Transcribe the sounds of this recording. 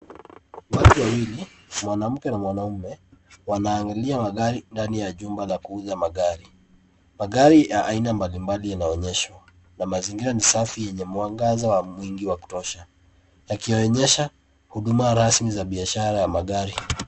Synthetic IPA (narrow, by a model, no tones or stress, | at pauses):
watuwawili | mwanam̩kɛnamwanaumɛwanaːŋɡaliamaɠaɾindanijaʄumbalakuuðamaɠaɾi | maɠaɾijaʔainambalimbalijanaɔɲɛʃwa | namaziŋɡiɾanisafijɛɲɛmuaŋɡazawamwiŋɡiwaku̥tɔʃa | jakijɔɔɲɛʃa | huɗumaɾasmizaɓiaʃaɾajamaɠaɾi